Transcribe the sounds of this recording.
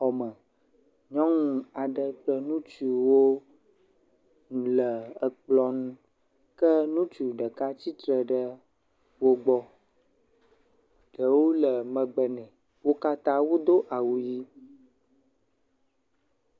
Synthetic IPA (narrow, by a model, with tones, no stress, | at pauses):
ɔ˨mə̃˨ | ɲɔ̃˦ŋũ˨a˨ɖə˦k͡plə˦nũ˦t͡ʃui˨wo˦ | nũ˨lə˨ə˨k͡plɔ˦nũ˦ | kə˦nũ˦t͡ʃu˨ɖə˨ka˦t͡ɕi˦t̪ɾə˨ɖə˦ | wo˦ɡ͡bɔ˦ | ɖ̥ə˨wo˦lə˨mə̃˨ɡ͡bə˨nɛ̃˨ | wo˦ka˦t̪a˦wo˦d̪o˦ʔa˨wu˨ji˦